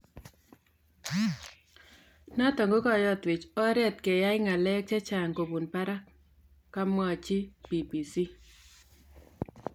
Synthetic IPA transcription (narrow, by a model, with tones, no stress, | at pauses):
na˦tɔ˨ŋɡo˦kɔ˦˨jɔ˦twɪ˨t͡ʃɔ˦ɾɛ˦tke˨ja˦ɪ˦ŋa˨lɛ˦k̚t͡ʃe˦t͡ʃa˨ŋko˨bu˨npa˦ɾa˦ | kːa˦mwa˦˨t͡ʃi˦pi˨bi˨si˦